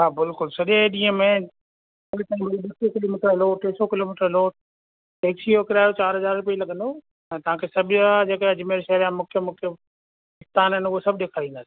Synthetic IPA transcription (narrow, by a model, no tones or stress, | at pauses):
ɦaːbɪlkʊlsɐʄeɗĩːə̃mẽ | ɐɾɪt̪ãːĩbɐɾibɐsokɪloːmɪʈəɾloːʈeːsokɪloːmɪʈəɾloːʈ | ʈeːksiokɪɾaːjot͡ɕaːɾɦɐzaːɾɾʊpiilɐɠə̃nd̪o | ɛ̃ːt̪ɐʋ̤ãːkʰesɐbʱɪad͡ʑeːkəjad͡ʑʊmeːɾʃɐɦɾjãmʊkʰjəmʊkʰjə | ɪst̪aːnɦənʊɦosɐbʱɗẽkʰɐɽ̤ĩːnd̪asi̥